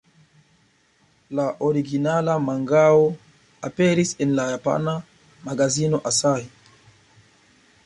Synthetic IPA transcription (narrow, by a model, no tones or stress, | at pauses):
laʔoɾiɡinalamaŋɡao | apeɾisenlajapa̰na | maɡazino̞ʔasai